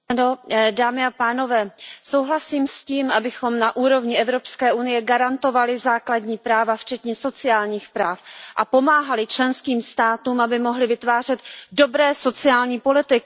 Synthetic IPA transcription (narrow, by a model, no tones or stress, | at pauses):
ano̞daːmɪapaːno̞vɛːso̞wɦlasiːmsciːmʔabɪxo̞mnaʔuːɾo̞vɲɪʔɛvɾo̞pskɛːʔunɪjɛɡaɾant̪o̞valɪzaːkladɲiːpɾaːvaft͡ʃɛt̪ɲɛso̞t͡sɪaːlɲiːxpɾaːfʔapo̞maːɦalɪt͡ʃlɛnskiːmst̪aːt̪uːmabɪmo̞ɦlɪvɪt̪vaːr̝ɛt̪do̞bɾɛːso̞t͡sɪaːlɲiːpo̞lɪt̪ɪk